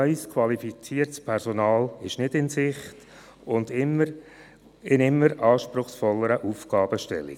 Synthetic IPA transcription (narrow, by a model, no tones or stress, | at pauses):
œʏskʰwɑlifit͡siːərtspʰɛɾsɔnɑːlɪʃnɪdɪnsɪχt | ʊndɪmə | ɪnɪmːəɾɑːʃpɾʊχsfɔlːəɾəʔuːfɡ̥ɑːb̥əʃtɛ̰lḭ